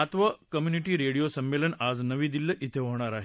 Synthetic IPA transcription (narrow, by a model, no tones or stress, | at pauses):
at̪ʋəkəmjuniʈiːɾeɽijosəmːelənad͡znəʋiːd̪ilːəʔit̪ʰeɦoɳ̃aɾaɦe